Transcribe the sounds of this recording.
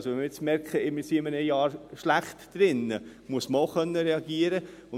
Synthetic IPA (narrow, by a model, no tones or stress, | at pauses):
soʋɛmɪɾɪt͡smɛɾkχəɪmɪsiɪmənəjɑːɾʃlæχtd̥ɾɪnːəmuəsməoʊχœnːəɾɛɑɡiəɾə | ʊ